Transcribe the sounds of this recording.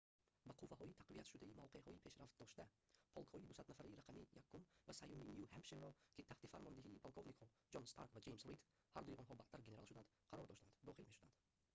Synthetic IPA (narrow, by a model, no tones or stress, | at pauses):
baqʰuvːaɦɔit̪ʰaqviat̪ʃud̪aimavqʰeɦɔipʰe̞ʃɾaft̪̚d̪ɔʃt̪a | pʰɔlˠkhɔid̪usad̪nafaɾiiɾaqʰamijakʰːumvasajuminjuhampʃeɾɔkʲʰit̪ʰaht̪ifaɾmɔnd̪eɦiːpʰolˠkʰovnikhɔ | d͡ʒɔnst̪ʰa̰ɾkvad͡ʒe̞jmsɾit̪ | haɾd̪uiʔɔnɦɔbaht̪aɾɡenealʃud̪and̪ | qʰaɾɔɾd̪ɔʃt̪and̪d̪ɔχilmeʃud̪and̪